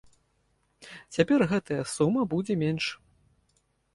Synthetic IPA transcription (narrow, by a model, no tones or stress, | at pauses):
t͡sʲapʲɛrɣɛt̪ʰɐjɐsumɐbud͡zʲɛmʲenʂ